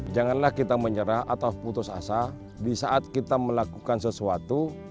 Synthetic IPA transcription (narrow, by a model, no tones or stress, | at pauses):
d͡ʒaŋanlahkit̪aməɲəɾaɦat̪auput̪ʊsa̰sa | disaʔat̪̚kit̪aməlakukansəsuat̪u